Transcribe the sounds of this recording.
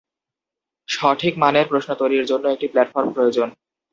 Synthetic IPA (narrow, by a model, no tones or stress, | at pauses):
ʃɔʈʰikmaneɾpɾoʃnot̪ojɾiɾd͡ʑonːoek̚ʈiplɛʈfoɾmpɾojod͡ʑon